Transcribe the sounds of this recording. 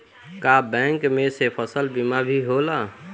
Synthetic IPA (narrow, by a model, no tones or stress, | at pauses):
kabɛ̃ŋkmẽsepʰəsəlbimabʱiɦola